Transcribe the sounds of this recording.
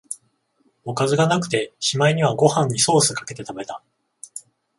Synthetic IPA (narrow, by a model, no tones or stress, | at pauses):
o̞kazɨɡanakɯ̟̥t̪e̞ɕimaiɲ̟iβ̞aɡo̞hãɲ̟ːiso̞ːsɨkḁke̞t̪e̞t̪abe̞t̪a